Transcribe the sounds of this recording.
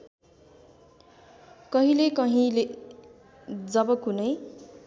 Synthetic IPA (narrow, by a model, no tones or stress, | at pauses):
kʌɦĩlekʌɦĩle | d͡zʌbʌkunʌj